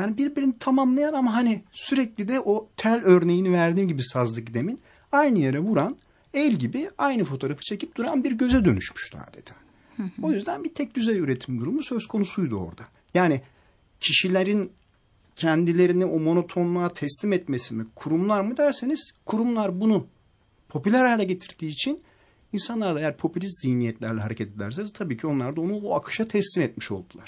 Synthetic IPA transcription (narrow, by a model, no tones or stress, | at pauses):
jaːnibiɾbiɾinit̪ʰamamlˠajanamaɦanisyɾɛclʲid̪ɛʔot̪ʰælʲøɾne̞jinivæɾd̪iːmɟibisazlˠɯkd̪e̞min | ajnɯjeɾɛvuɾan | ɛlʲɟibiajnɯfo̞t̪ʰo̞ɾafɯ̥t͡ʃʰe̞cʰip̚d̪̥uɾanbiɾɟø̞zɛd̪ø̞̰ny̰ʃmy̥ʃna̰ːd̪ed̪ɛ̥ | o̞jyzd̪ænbit̪ʰɛc̚d̪yzɛjʲyɾet̪ʰimd̪uɾumusø̞skʰo̞nusujd̪uo̞̰ɾd̪a | jaːni | cʰiʃilʲeɾin | cʰɛnd̪ilʲe̞ɾiniʔomo̞no̞t̪ʰo̞nlˠaːt̪ʰɛslʲimɛt̪mesimikʰuɾumlˠaɾmɯd̪æɾse̞niz̥kʰuɾumlˠaɾbunu | pʰo̞pylʲæɾalʲɛɟe̞t̪ʰiɾd̪iːt͡ʃʰin | insanlˠaɾd̪aejæɾpʰo̞pʰylʲist̪z̥ijnijɛt̪lʲæɾlʲɛɦaɾecʰɛt̪ed̪lʲæɾs̬eiz̥t̪ʰabiːcʰio̞nlˠaɾd̪ao̞nuoakʰɯ̥ʃat̪ʰɛslʲimɛt̪miʃo̞̰lˠd̪ulˠaɾ̥